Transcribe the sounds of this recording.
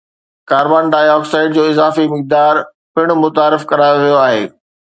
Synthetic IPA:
kaːɾbaːnɖaːjɔːksaːɪɖ̚d͡ʑoːɪzaːfimɪk̚d̪aːɾ | pɪɽ̃mʊt̪aːɾɪfkɐɾaːjoʋijoaːɦḛː

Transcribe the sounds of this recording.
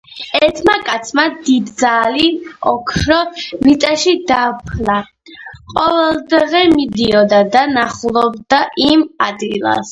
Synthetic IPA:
ɛɾt̪ʰmakʼat̪sʰmad̪id̪zaliɔkʰɾɔmit̪ʼaʃid̪apʰla | qʼɔvɛlˠd̪ʁɛmid̪iɔd̪ad̪anaχlˠɔb̚d̪aʔimad̪ɡilˠa̰s

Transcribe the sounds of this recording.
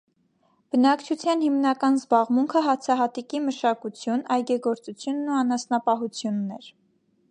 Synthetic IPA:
b̥ənɑkt͡ʃʰut͡sʰjɑnhimnɑkɑnzbɑʁmuŋkʰəɦɑt͡sʰɑɦɑt̪ikiməʃɑkut͡sʰjunɑjɡɛɡɔɾt͡sut͡sʰjunːuɑnɑsnɑpɑɦut͡sʰjunːɛɾ

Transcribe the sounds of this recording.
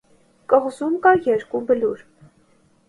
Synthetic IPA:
kʼəʁzumkɑjɛɾkubəluɾ

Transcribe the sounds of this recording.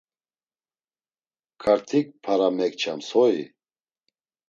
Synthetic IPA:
kʰaɾt̪ʰik̚pʰaɾamɛkt͡ʃʰamsɔḭ

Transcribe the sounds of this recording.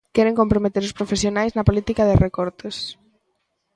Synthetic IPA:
kɛɾeŋkompɾomet̪eɾʊspɾofesjonajznɐpolit̪ikɐðerekɔɾt̪es

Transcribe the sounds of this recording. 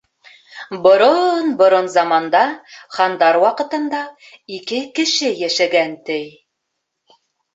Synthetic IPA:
bŏɾonbŏɾonzɑmɑnd̪ɑχɑnd̪ɑɾwɑqɤ̆t̪ɤ̆nd̪ɑ | ikɘkɘ̆ʃɘjæʃæɡænt̪ɘj

